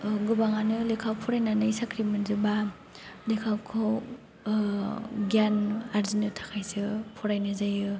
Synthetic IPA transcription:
ɡɯbaŋanɯlikʰawpʰuɾajnanajsakɾimenzɯba | likʰawkʰaw | ɡjanaɾzinɯtʰḁkʰajsɯpʰuɾajnɯzajɯ

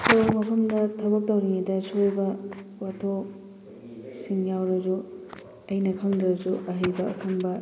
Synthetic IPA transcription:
somɐpʰɐmdɐtʰɐbɐk̚tɐwɾiŋidɐsojbɐotʰo | siŋjawɾɐzu | ɐjnɐkʰɐŋdɾɐzuʔɐɦɐjbɐːkʰɐŋbɐ

